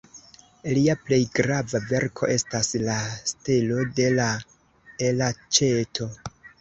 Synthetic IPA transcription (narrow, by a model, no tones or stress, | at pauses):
liaple̞jɡɾavave̞ɾkʰo̞̰ʔe̞staslastelo̞de̞la | elat͡ʃe̞tʰo̞